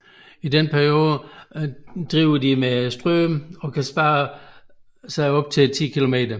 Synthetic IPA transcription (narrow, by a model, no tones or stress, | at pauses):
id̥enpʰæɐio̝ːð̩ˠə | d̥ʁiːʊɐdimesd̥ʁœːmɒ̽kʰæsb̥ɑ̈ː | sɑ̈ɪɒ̽b̥̚t͡sʰet͡sʰḭːkʰilo̝me̝̰ːd̥ɐ